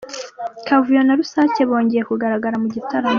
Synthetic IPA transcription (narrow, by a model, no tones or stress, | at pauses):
kavujo̞naɾusaːceβo̞ːɲɟe̞jekuɡaɾaɡaɾamuɟitaɾo